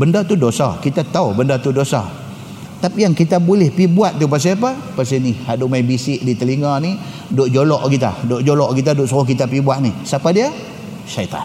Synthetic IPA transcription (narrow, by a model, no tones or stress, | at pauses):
bəndat̪udosa̰kit̪at̪aubəndat̪udosa̰ | t̪apijaŋkit̪abulɛhpibuat̪̚t̪up̬as̬apa | pasinihadumaibisɪʔdit̪əliŋani | doʔd͡ʒolɔʔkit̪a̰doʔd͡ʒolɔʔkit̪̬adoʔsuɾohkit̪apibuaʔnisapadia | ʃait̪a̰n